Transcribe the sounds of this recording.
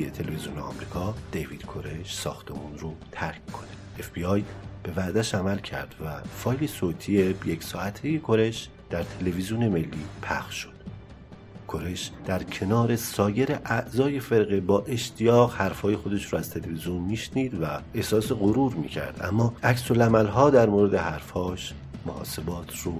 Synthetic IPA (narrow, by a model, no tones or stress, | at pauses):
et̪ʰe̞leveziuːneɒ̰ːmɾiːkʰɒːd̪̥eviːd̪̥kʰo̞ɾeʃsɒ̰ːxt̪ʰe̞munɾot̪ʰæɾkkʰːo̞ne | efb̥iɒːjb̥e̞væʔd̪æʃæmælcʰæ̰ɾd̪̥væfɒːjlesoːt̪ʰiebjecsɒːæt̪ʰejekʰo̞ɾe̞ʃ | d̪̥æɾt̪ʰe̞le̞vizijone̞me̞lːiːpʰæ̰xʃːo̥d̪̥ | kʰo̞ɾe̞ʃd̪̥æɾcʰe̞nɒːɾe̞sɒːje̞ɾeʔæʔzɒːje̞fe̞ɾɣebɒːʔe̞ʃt̪ʰijɒːɣhæɾfhɒːje̞xod̪e̞ʃɾuæz̥t̪ʰe̞levizjonmiːʃniːd̪væe̞hsɒːseɣoɾuːɾmḭːcʰæ̰ɾd̪̥æ̰mːɒːæksolæmælɦɒːd̪æɾmoɾe̞d̪e̞ɦæɾfhɒːʃ | mohɒ̰ːse̞bɒːt̪ʰru